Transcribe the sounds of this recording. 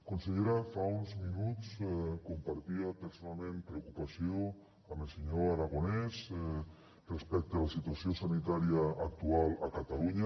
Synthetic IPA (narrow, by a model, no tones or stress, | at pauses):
konseʎeɾafaunzminutt͡skompaɾt̪iapeɾsonalˠmẽnpɾeokupasjo | amelseɲoaɾaɣ̞onɛz | respɛk̚t̪ealasit̪uasjosanit̪aɾjaːk̚t̪ualakat̪aluɲa